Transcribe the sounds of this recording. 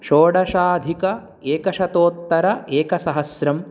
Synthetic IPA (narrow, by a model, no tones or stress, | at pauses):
ʃoːɖɐʃaːd̪ʱikɐ | eːkɐʃɐt̪oːt̪ːɐɾɐʔeːkɐsɐɦɐsɾɐm